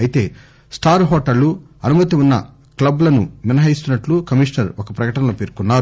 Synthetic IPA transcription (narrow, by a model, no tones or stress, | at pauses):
ɐjit̪e̞̰ː | sʈʰaːɾɦɔːʈɐɾlːu | ɐnumɐt̪iunːɐ | klɐblɐnuminɐɦɐist̪unːɐʈlukɐmiʂnɐɾɔkɐpɾɐkɐʈɐnɐloːpeːɾkunːaːɾu